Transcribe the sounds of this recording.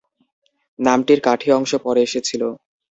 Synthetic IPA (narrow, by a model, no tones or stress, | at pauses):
namʈiɾkaʈʰiɔŋʃopɔɾeeʃet͡ɕʰilo